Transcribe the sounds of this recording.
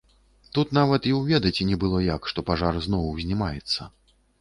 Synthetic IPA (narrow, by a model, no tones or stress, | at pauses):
t̪ut̪navɐt̪iwvʲɛd̪ɐt͡sʲinʲɛbɨlˠɔjakʂt̪ɔpaʐarznɔwwzʲnʲimajɛt̪sːɐ̰